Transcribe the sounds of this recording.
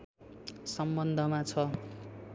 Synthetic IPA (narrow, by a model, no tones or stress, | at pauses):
sʌmbʌnd̪ʱʌmat͡sʰʌ